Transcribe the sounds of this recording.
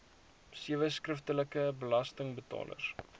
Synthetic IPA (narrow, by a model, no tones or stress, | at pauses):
siəvəskrəftələkəbəlɐstəŋbətɑ̰ːlə̰r